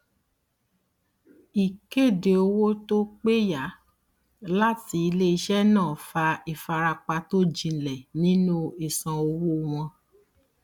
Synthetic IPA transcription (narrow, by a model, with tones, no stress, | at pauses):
i˨ke˦˨de˨o˧wo˦to˦k͡pe˦ja˨˦ | la˦ti˧˦i˧le˦i˧ʃɛ˦nãː˦˨fa˧i˨fa˧ɾa˧k͡pa˧to˦d͡ʒĩ˧˨lɛ˨nĩ˦nũ˦i˨sã˨o˧wo˦w̃ɔ̃˧